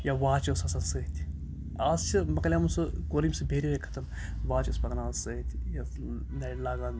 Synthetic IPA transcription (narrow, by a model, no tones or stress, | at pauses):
jaʋaːt͡ʃosɐsɐnsɨt̪ʲʰ | aːst͡ʃʰɨmɐkɐlʲjamusɨkoːɾimʲsɨbʱeːɾiɾekʰɐ̥t̪ɐm | ʋaːt͡ʃospɐkɐnaːsɨt̪ʲʰjɐ | nɐlaːɡaːn